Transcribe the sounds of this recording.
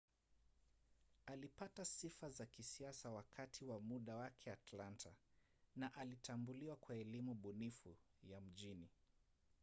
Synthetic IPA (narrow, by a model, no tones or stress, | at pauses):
alipatasifazakisiasawakʰatʰiwamuɗawakʰɛatlantʰa | naʔalitʰambuliwakwaɛlimuɓunifujam̩ʄini